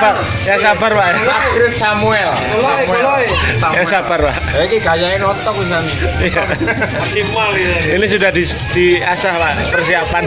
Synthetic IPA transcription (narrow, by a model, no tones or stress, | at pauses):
ba | jaŋsabərwaʔjaaɾɪksamuɛl | ajaŋsabərwa | aikiɡajaenɔt̪ɔk̚bisa | ja | sialinis̬udahdis | d̥iasahpaʔpərsiapan